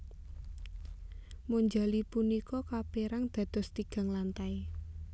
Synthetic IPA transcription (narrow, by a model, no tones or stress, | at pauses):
muɲd͡ʒalipunikɔkapeɾaŋd̪̥ä̤d̪̥ɔ̤st̪iɡ̥ä̤ŋlant̪ai